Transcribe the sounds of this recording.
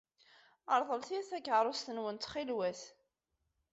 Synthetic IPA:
əɾˤðˤəlθiæθækːʕɾˤost̪ənwənt̪χilwæθ

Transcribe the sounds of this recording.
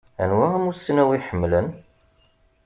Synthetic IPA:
æ̰nwæʁæmusinæwiħəmːlən

